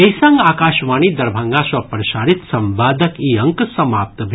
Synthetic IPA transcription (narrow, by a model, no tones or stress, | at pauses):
esɐŋɡaːkaːʃʋaːniːd̪ɐɾbʱaŋɡaːsɐpɾɐʃaːɾit̪sɐmbaːd̪ɐkiːɐ̃ŋksɐmaːp̚t̪bʱ